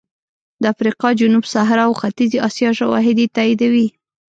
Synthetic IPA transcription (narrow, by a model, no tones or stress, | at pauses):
d̪əafɾiqɑd͡ʒʊnubsaɦɾwxat̪iziʔɑsjɑʃawɑ̰ɦɪd̪it̪aid̪awi